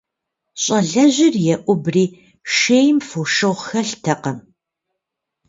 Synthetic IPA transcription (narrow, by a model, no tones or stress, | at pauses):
ɕʼɐɮɐʑɪrjɛʔʷʊbriː | ʃeːjmfuʃɨʁʷxɐɬtʰɐqɐm